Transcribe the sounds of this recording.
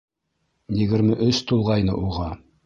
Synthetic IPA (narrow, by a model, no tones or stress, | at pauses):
jɘ̆ɡɘ̆ɾmɘʔɵʃt̪ulˠʁɑjnɤ̰ʔuʁɑ